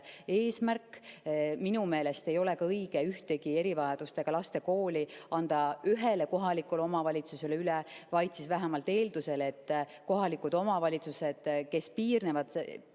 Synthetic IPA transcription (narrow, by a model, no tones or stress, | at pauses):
e̞ːsmærkː | minume̞ːle̞st̪e̞jo̞le̞kɑɤjɡ̥e̞yht̪e̞ɡ̥ie̞ɾivɑjɑd̪̥ust̪e̞ɡ̥ɑlɑst̪e̞ko̞ːlʲiɑnd̪̥ɑyɦe̞leko̞ɦɑlikːˑulo̞mɑvɑlʲit̪suse̞leylevɑjt̪sisvæɦæmɑlt̪ːˑe̞ːld̪̥use̞le̞t̪ːko̞ɦɑlikːˑud̪̥o̞mɑvɑlʲit̪suse̞d̪̥ke̞spiːrnevɑd̪̥